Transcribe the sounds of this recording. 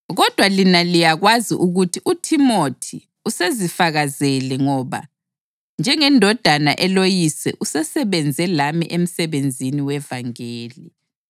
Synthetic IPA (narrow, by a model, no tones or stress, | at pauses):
ɣɔd̥ʱwalinalijaɣwaziʔuɣutʰiʔutʰimotʰi | usezifaɣazɛlɛŋɔβa̰ | nd͡ʒʱɛŋɛndʱɔd̥ʱanaʔɛlojisɛ̰ʔusɛsɛβɛnd͡zʱɛlamiʔem̩sɛβend͡zʱiniwɛvaŋeːli